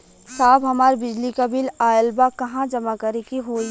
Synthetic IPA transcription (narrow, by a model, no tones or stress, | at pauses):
saːbɦɐmaːɾbɪd͡ʒlikabiːlaːjəlbakɐɦãd͡ʒɐmakɐɾekiɦoːi